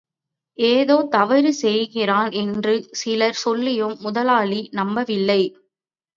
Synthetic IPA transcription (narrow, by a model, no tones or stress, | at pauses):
ʔeːðoːt̪ɐʋɐɾɯsɛjɣɪraːnɛndrɯsɪlɐɾsɔlːɪjɯmːʊðɐlaːlinɐmbɐʋɪlːɐɪ